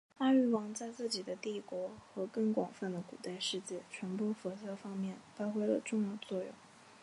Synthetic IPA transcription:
a˥y˥˩wɑ˧˥ŋt͡sa˥˧ɪt͡sɹ̩˥˩t͡ɕi˨˩d̪ə˦t̪i˥˩kwɔ˧˥xɤ˧˥kɤ˥˩ŋkwɑ˨˩ŋfə˥˩nd̪ə˩kṵ˨˩t̪a˥˧ɪʂɻ̩˥˧t͡ɕjɛ˥˩t͡ɕʰɥɛ˧˥npwɔ˥fɔ˧˥ɕjɑ˥fɑ˥ŋmjɛ˥˩nfa˥xwe˥ɪlə̰˧ʈ͡ʂʊ˥˧ŋjɑ˥˧ʊt͡swɔ˥˧jʊ̰˥˩ŋ

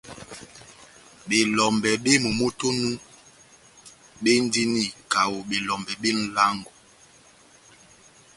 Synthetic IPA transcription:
ɓe˨lɔ˨mbɛ˨ɓe˦mo˨mo˦to˦nũ˦ | ɓe˦n̩˦di˦ni˦ka˨wo˨ɓe˨lɔ˨mbɛ˨ɓe˦n̩˦la˦ŋɡo˨

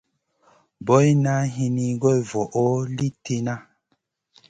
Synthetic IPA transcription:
bɔ˨˦jna˦ɦi˧ni˨ɡɔ˦e˨vɔ˨ʔo˦li˦tʰe˦na˦

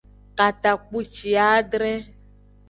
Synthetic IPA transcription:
ka˨t̪a˨k͡pu˦t͡ʃi˨a˦ɖɾɛ˦

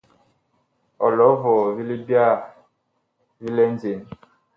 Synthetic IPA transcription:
ɔ̰˨lɔ˨˦vɔ˨vi˦li˦bja˦˨ | vi˦lɛ˦nd͡ze˨n

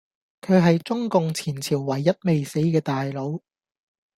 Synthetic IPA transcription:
kʰɵ˨˧ɦɐ˨jt͡sʊ˥ŋkʊ˨ŋt͡sʰiː˨˩nt͡sʰiː˨˩wːɐ˨˩jːɐ˥t̚me˨jse˨˥jkɛː˧t̪aː˨jlo˨˧w

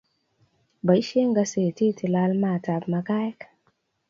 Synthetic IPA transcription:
ba˨jʃe˦ŋɡa˧se˨ti˦ti˨la˧˦lma˨ta˨bma˨ka˦jk

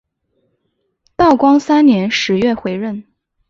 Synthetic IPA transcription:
t̪ɑ˥˩ʊkwɑ˥ŋsa˥nnjɛ˧˥nʂɻ̩˧˥ɥɛ˥˩xwe˧˥ɪɻə˥˩n

